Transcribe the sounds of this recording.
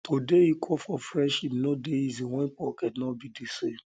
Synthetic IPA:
tʰodeikʰɔfɔfɹɛʃinɔdeizĩwɛ̃npɔkɛtnɔbidise

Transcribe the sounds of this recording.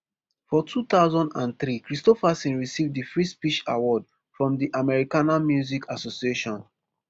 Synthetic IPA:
fɔtʰut̪aʊzɔ̃ndã̰nθɹikɹistɔfasĩnɹisivdifɹispit͡ʃa̰wɔd | fɹɔ̃mdiʔamɛɹikanamjuzikʰasosieʃɔ̃n

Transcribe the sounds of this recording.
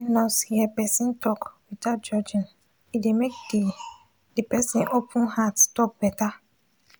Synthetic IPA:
inɔ̃shiɛpɛsĩntʰɔkwidat̚d͡ʒɔd͡ʒĩn | idemek̚di | depɛsĩnʔopʰũnhatstɔk̚b̥ɛta

